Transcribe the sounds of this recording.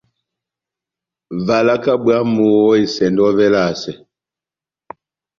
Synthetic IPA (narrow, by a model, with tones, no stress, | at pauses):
va˨la˦ka˦bwa˦mu˨ɔ˦i˨sɛ˨ndɔ˦vɛ˦la˦˨sɛ˨